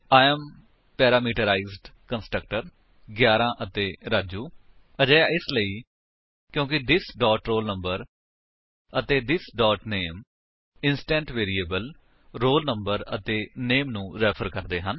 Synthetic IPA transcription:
aːɛːm | pɛːɾaːmiːʈəɾaːizɖkənsʈɾək̚ʈəɾ | ɡjaːɾãːʔət̪eːɾaːd͡ʒuː | əd͡ʒɛːaːɪsləiː | kjõːkɪd̪ɪsɖɔːʈɾoːlnəmbəɾ | ət̪eːd̪ɪsɖɔːʈneːm | ɪnsʈɛ̃ːɳʈʋeːɾiːeːbəl | ɾoːlnəmbəɾə̰t̪eːneːmnũːɾɛːpʰəɾkəɾd̪eːɦən

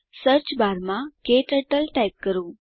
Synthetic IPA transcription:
səɾt͡ɕbʱaɾmãkeʈəʈəlʈajp̚kəɾu

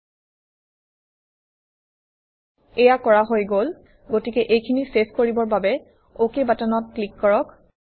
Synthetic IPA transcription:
ɛjakɔɹaɦojɡol | ɡotikɛʔejkʰiniseskoɹibɔɹbabɛ | okebatanɔt̚klikːɔɹɔk

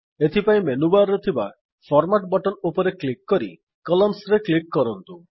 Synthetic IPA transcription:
et̪ʰipaĩmenubaɾːɔt̪ʰiba | pʰɔɾmaʈbɔʈɔnupɔɾeklikːɔɾḭ | kɔlɔmsɾeklikːɔɾɔnt̪u

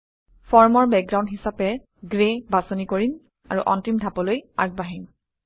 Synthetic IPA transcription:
fɔɹmɔɹbɛk̚ɡɹawndɦisapɛ | ɡɹebasonikoɹin | a̰ɹuʔɔ̰ntimdʱapɔlojaɡ̚baɦin

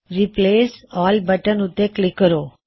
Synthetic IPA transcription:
ɾipleːsɔːlbəʈənut̪ːeklɪkːəɾo

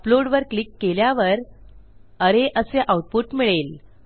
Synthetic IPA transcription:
əploɽʋəɾklikːeljaʋəɾ | əɾeʔəseʔauʈ̚puʈmiɭel

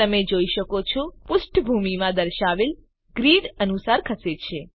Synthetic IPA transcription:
əmed͡ʒoiʃəkot͡ʃʰɔpʊsʈʰbʱumimãd̪əɾʃaʋel | ɡɾiɖənusaɾkʰəset͡ʃʰe

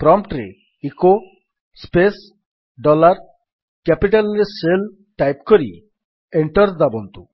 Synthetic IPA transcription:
pɾɔmpʈɾḛ | iko | spes | ɖɔlaɾ | kɛpiʈalɾesel | ʈajpkoɾḭ | eɳʈɔɾd̪abɔnt̪u

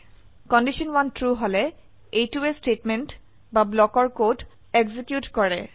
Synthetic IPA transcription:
kɔndiʃɔnwantʰɹuɦolɛ | ejtuestɹetmɛnt | bablɔkɔɹkot | eɡzikjutkɔɹɛ

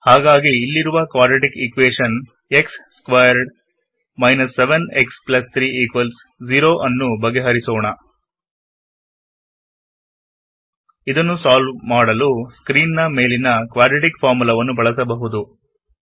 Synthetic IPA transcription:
haːɡaːɡiːlːiɾuʋɐkʋaːɾɖɾiʈikikʋeːʂɐn | e̞ksskʋajɐɾɖ | mɐjnɐsːeʋeneksplɐst̪ʰɾiːiːkʋɐls | d͡ʒiɾoːʔɐnːubɐɡeɦɐɾisɔːɳɐ | id̪ɐnːusaːlʋmaːɽɐluskɾiːnːɐme̞ːlinɐkʋaːɾɖɾiʈikpʰaːɾmulɐʋɐnːubɐɭɐsɐbɐɦud̪u

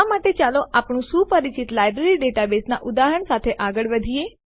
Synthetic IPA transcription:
amaʈet͡ʃaloʔapɳ̃ũsupəɾit͡ʃit̪lajbɾeɾiɖeʈabesna̰ʔʊd̪aɦəɳsat̪ʰeʔaɡəɭʋəd̪ʱie

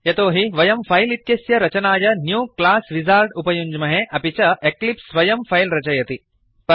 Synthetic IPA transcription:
jɐt̪oːɦiʋɐjɐmfʰɐjliʈ̪̚kɐsjɐɾɐt͡ʃɐnaːjɐnjuːklaːsʋizaːlʈupɐjuɲd͡ʒmɐɦeʔɐpit͡ʃɐeklipsʋɐjɐmfʰɐjlɾɐt͡ʃɐjɐt̪i | pɐ

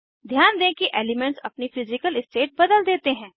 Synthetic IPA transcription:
d̪ʱjaːnd̪ẽːkiʔeːlɪmɛ̃ɳʈsɐ̰pnifɪzɪkəlɪsʈeːʈ̚bɐd̪əld̪eːt̪eɦɛ̃ː

